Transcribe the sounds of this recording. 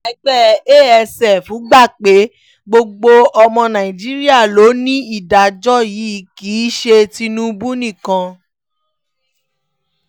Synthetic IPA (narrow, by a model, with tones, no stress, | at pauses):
ɛ˨˧˦ɡ͡bɛ˦eː˦˨ɛ˧sɛ˨fũ˨˦ɡ͡ba˦˨k͡pe˨˦ | ɡ͡bo˧ɡ͡bo˧ɔ˧mɔ̃˧nã˨ĩ˨d͡ʒi˦ɾi˦a˦˨lo˨˦nĩ˦i˦˨da˨d͡ʒɔ˦ji˨˦ki˨˦ʃe˧ti˧nũ˦bu˦nĩ˦˨kã˧